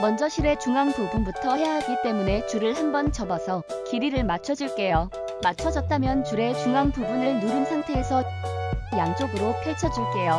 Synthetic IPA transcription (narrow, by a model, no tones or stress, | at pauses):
mʌnd͡ʑʌɕʰiɾe̞t͡ɕuŋaŋpobunbutʰʌɦejaɦaɡit͈e̞mune̞t͡ɕuɾɯɭhambʌnt͡ɕʌbasʰʌ | kiɾiɾɯɭmat͡ɕʰʌd͡ʑiɭk͈e̞jo | mat͡ɕʰʌd͡ʑʌt̚t͈amjʌnt͡ɕuɾe̞t͡ɕuŋaŋpubunɯɭnuɾɯnsʰaŋtʰe̞ːsʰʌ | jaŋt͡ɕ͈oɡɯɾopʰjiɭt͡ɕʰʌd͡ʑiɭk͈e̞jo